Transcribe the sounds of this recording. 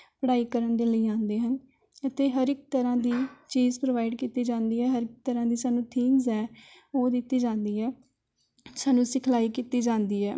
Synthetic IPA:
pəɽaːiːkəɾəɳd̪eːləiːãːnd̪eːɦən | ət̪eːɦəɾɪk̚t̪əɾãːd̪iːt͡ʃiːzpɾoːʋaːɪɖkiːt̪iːd͡ʒãːnd̪iːɦɛːɦəɾɪk̚t̪əɾãːd̪iːsaːnũːt̪ʰiːmzɛː | oːd̪ɪt̪ːiːd͡ʒãːnd̪iːɛː | saːnũːsɪkʰlaːiːkiːt̪iːd͡ʒãːnd̪iːɛː

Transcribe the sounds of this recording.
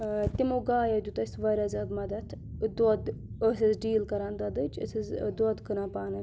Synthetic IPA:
t̪imoɡaːjɐd̪ut̪ɐsʲt̪ʋɐɾʲɐzʲɐd̪mɐd̪ɐt̪ʰ | d̪oɐd̪ | əsɐzɖiːlkɐɾaːnd̪ɐd̪ɨt͡ʃə̰sizd̪oɐd̪kɨnaːpaːnɐ

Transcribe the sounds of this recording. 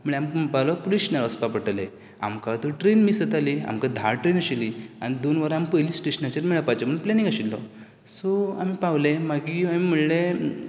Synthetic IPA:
m̤əɭeampawlɔpoliɕnaɾəspapəʈəle | a̰mkat̪əɾʈɾenmiːsət̪aliːa̰mkad̪ʱaɾʈɾenəɕilia̰ñid̪onʋaɾampəjliːsʈeɕənat͡ɕəɾmiɭapat͡ɕaməɳplɛnĩŋɡəɕilːɔ̰ | soa̰mipaʋlemaɡiamim̤əɽle

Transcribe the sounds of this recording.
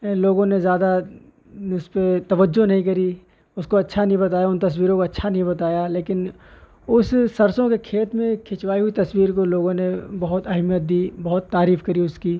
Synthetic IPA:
loːɡõnezjaːd̪a | ʊspet̪ɐʋəd͡ʒːonɐɦĩk̬ɐɾi | ʊskoɐtːʃʰanɐɦĩbɐt̪aːjaʊnt̪ɐswiːɾõkoɐtːʃʰanɐɦĩbɐt̪aːjaleːkɪn | ʊsːɐɾsõkekʰeːt̪mẽkʰɪt͡ʃwaːiɦuit̪ɐswiːɾkoloːɡõnebɐɦʊt̪ɐɦmijət̪̚d̪iːbɐɦʊt̪ːaːɾiːfkɐɾiʊski

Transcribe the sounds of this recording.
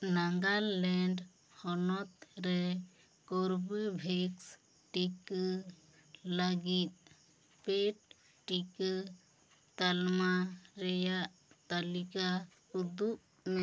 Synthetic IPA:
naŋɡallɛɳɖ | hɔnɔt̪ɾɛ | koɾbibʱeks | ʈik | laɡit̪̚ | peʈ̚ | ʈik | t̪almaɾɛjaʔ | t̪alika | ud̪uʔ | mɛ

